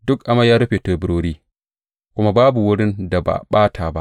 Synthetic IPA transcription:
dʊ˦kʔa˨ma˦jaː˦ɾʊ˦ɸeː˨toː˨bɪ˦ɾoː˦ɽiː˦ | kʷʊ˦ma˦baː˦bu˨wʊ˦ɽɪ˦nda˨ba̰˨ɓaː˦tʰaː˨ba̰˦ʔ

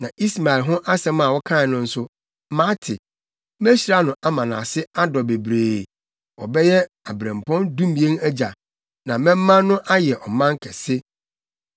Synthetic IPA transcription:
nã˨ʔi˦sma˨ɪ˨lɦʊ̃˦ʔa˦sɛ̃˨mã˨wɔ˦kʰã˦˨nʊ̃˦n̩˦sʊ˦ | mã˦tʰɪ˨ | mɛ˦ɕi˨ɾa˦nʊ̃˨ʔa˦mã˨nã̰ː˨sɪ˦a˦dɔ˨be˨bɾeː˨ | wɔ̰˨bɛ˦jɛ˦ | a˨bɾɛ̃˨m˨pʰɔ̃˦ndũ˦mĩ˨˦ẽ˦næ˦d͡ʑa˨ | nã˨mɛ̃˦mː˦ã˦nː˦ʊ̃˦ʔa˦jɛ˨ʔɔ˨mã˦ŋ˦kʰɛ˨sɪ˦

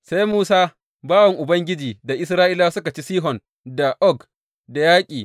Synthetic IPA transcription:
sa˦jmuː˦saː˦ | baː˦wɐ˨ŋʔʊ˨bɐ˦ŋɡʲɪ˦d͡ʒiː˨da˨ʔɪ˦s̬ɾaː˦ʔɪ˦laː˦sʊ˦ka˨t͡ʃi˦siː˦ɦɔ˨n | da˨ʔɔ˦˨k | da˨jaː˦kʲʼiː˨

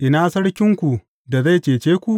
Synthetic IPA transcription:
ʔɪ˨naː˦sɐ˦ɽkʲɪ˦ŋkʷu˨ | da˨za˦˨t͡ʃeː˨t͡ʃeː˦kʷu˨ʔ

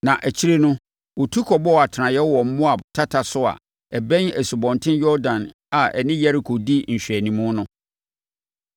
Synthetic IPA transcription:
nã˨ʔæ˨t͡ɕʰi˦ɾe˦nʊ̃˦ | wɔ˨tʰu˦kʰɔ˨bɔ˦˨a˨tʰɪ˨nã˨jɛ˦wɔ˨m̩˦mʊ̃˦a˨tʰa˦tʰa˨sʊ˦a̰˨ | ɛ˨bɛ̃˦næ˨su˨bɔ̃˨ntʰɪ̃˦njɔ˦dã˨n | a˨ʔɛ̰˨nɪ̃˦jɛ˦ɾi˨kʰo˨di˦n̩˨ɕᶣɥæ˨nĩ˨mʊ̃˦nʊ̃˦

